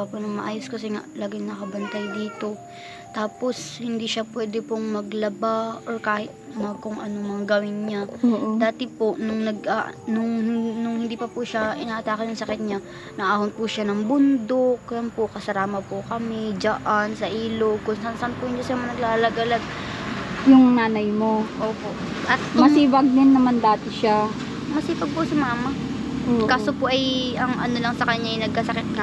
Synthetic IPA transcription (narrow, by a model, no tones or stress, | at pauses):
ɐpʊnɐŋmɐʔaːjoskɐs̬ɛŋa̰ʔlaɡɪŋnɐkɐbɐnt̪ajd̪iːt̪o̞ | t̪aːpo̞shɪnd̪iʃapwɛːd̪ɛpʊŋmɐɡlɐbaʔoɹkaːhɪt̪̚mɐkʊŋʔɐnomɐŋɡɐwɪnɲad̪aːt̪ɪpoʔnʊŋnɐɡʔaʔnʊŋnʊŋhɪnd̪iːpɐpʊʃaʔɪnaːʔɐt̪aːkɐnʊŋsɐkɪt̪̚ɲa | nɐʔahon̚pʊʃanɐŋbʊnd̪okjɐnpʊkɐsɐɾaːmɐpʊkɐmɛd͡ʒɐʔansɐʔiːloɡ̚kʊnsansɐʔanpʊjʊnd͡ʒɐsamɐnɐɡlaːlɐɡɐlaɡ̚ | jʊŋnaːnɐjmoʔoːpo̞ʔʔɐt̪̚ːʊmɐsiːbɐɡ̚d̪ɪnːɐmand̪aːt̪ɪʃa | mɐsiːbɐɡ̚pʊsɐmaːmɐ | okaːsopoʔɐjɐŋɐnolɐŋsɐkɐɲːaʔɐjnɐɡ̚kɐsɐkɪt̪̚nɐ